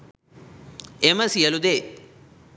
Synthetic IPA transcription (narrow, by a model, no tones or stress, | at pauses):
emɐsijɐlud̪e